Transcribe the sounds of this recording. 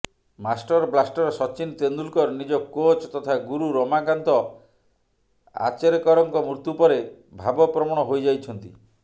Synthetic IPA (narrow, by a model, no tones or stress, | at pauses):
masʈɔɾblasʈɔɾɔsɔt͡ʃint̪end̪ulkɔɾnid͡ʒɔkot͡ʃt̪ɔt̪ʰaɡuɾuɾɔmakant̪ɔ | a̰t͡ʃeɾikɔɾɔŋkɔmɾut̪upɔɾe | bʱabɔpɾɔmɔɽ̃ɔɦojd͡ʒajt͡ʃʰɔnt̪i